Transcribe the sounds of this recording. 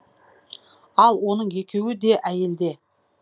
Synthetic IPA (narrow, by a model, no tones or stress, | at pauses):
ɑlˠwo̞nəɴe̞kʲe̞wɪd̪e̞ʔæje̞ld̪e̞